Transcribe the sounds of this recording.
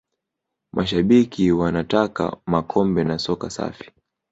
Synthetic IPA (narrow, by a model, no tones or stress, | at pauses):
mʔaʃaɓikʰiwanataka̰makʰɔmbɛnasɔkasa̰fi̥